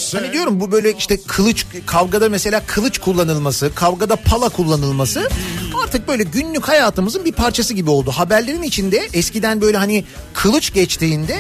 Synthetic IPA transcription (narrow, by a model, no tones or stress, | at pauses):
hanid̪ijo̞ɾumbubø̞jlʲɛiʃt̪ɛkʰɯlˠɯt͡ʃkʰavɡad̪amese̞lʲaːkʰɯlˠɯt͡ʃkʰulˠːanɯlˠmasɯkʰavɡad̪apʰalˠakʰulˠːanɯlˠmasɯaɾt̪ʰɯk̚bø̞jlʲɛɟynlʲychajaːt̪ʰɯmɯzɯnbiɾpʰaɾt͡ʃʰasɯɟibio̞lˠd̪uɦabæɾlʲeɾinit͡ʃʰind̪ɛɛscid̪ænbø̞jlʲɛɦanikʰɯlˠɯt͡ʃɟɛt͡ʃt̪ʰiːnd̪ɛ